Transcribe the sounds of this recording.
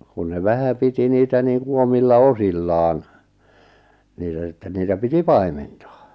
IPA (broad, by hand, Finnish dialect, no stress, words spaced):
kun ne ʋæhæ piti niːtæ niːŋku omilːɑ osilːɑːn niːtæ sitːen niːtæ piti pɑi̞mentɑ